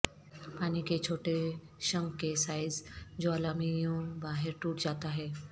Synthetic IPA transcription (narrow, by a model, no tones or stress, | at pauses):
paːniket͡ʃʰoːʈe | ʃə̃ŋɡkesaːɪzd͡ʒoalaːmijõbaːɦeɾʈuːʈd͡ʒaːt̪aɦɛː